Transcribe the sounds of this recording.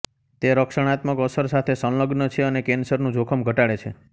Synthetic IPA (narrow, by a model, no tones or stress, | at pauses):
t̪eɾəkʃəɽ̃at̪məkəsəɾsat̪ʰesə̃lləɡnət͡ʃʰeənekensəɾnũd͡ʒokʰəmɡʱəʈaɭet͡ʃʰe